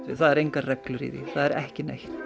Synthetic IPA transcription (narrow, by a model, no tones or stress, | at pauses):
ɪ̰θaðɛɾejŋkarɛklʏɾḭðḭθaðɛɾɛhcɪnḛxt̪